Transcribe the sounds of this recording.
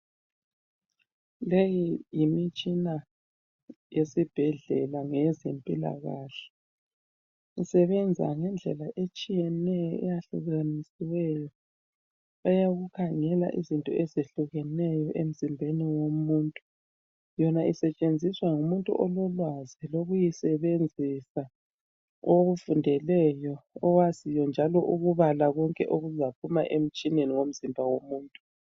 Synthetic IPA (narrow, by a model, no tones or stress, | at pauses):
lejijimit͡ʃʼina | jesib̥ʱɛɮɛ̰laŋɛzempʼila̰ɣaːɬɛ̥ | ŋisɛβɛnd͡zʱa̰ŋɛnd͡ɮʱɛ̰laʔet͡ʃʼijɛnɛjɔɛ̰jaɬṵɣanisiwɛjɔ | βajaɣukʰaŋɛla̰ʔizintʼɔ̰ezeɬuɣɛnɛjɔʔem̩zimbʱeniwomuntʼu | jɔnaʔisɛt͡ʃʼend͡zʱiswaŋumuntʼṵʔɔlɔlwaziloɣujisɛβend͡zʱisa | oɣufundʱɛlɛjɔɔwazijɔnd͡ʒʱalɔʔuɣuβalaɣɔŋkʼɛ̰ʔoɣuzapʰuma̰ʔem̩t͡ʃʼineniwom̩zimbʱawomuːntʼu̥